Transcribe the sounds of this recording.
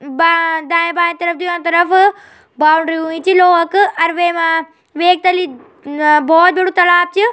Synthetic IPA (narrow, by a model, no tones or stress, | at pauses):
bad̪ãːbãːt̪ɐɾɐfd̪ujãːt̪ɐɾɐf | baːwʊɳɖɾiuĩt͡ʃiloːɦɐkɐɾʋeːmã | ʋeːk̚t̪ɐli | bɔːt̪̚bɐɽut̪ɐlaːp̚t͡ʃɨ